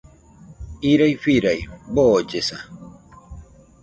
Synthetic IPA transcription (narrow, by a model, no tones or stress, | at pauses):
iɾajfiɾajboːd͡ʒesa